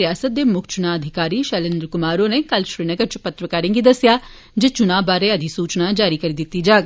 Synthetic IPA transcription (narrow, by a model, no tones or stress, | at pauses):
ɪjaːsət̪̚d̪eːmʊkʰt͡ʃʊnaːəd̪ʱɪkaːɾiːʃɛːlɪ̃nd̪əɾkʊmaːɾõːneːkəlʃɾiːnəɡəɾt͡ʃpət̪ɾəkaːɾɪ̃ŋɡiːd̪əsjaː | d͡ʒet͡ʃʊnaːbaːɾeːəd̪ʱisuːt͡ʃnaːd͡ʒaːɾiːkəɾiːd̪ɪt̪ːiːd͡ʒaːɡ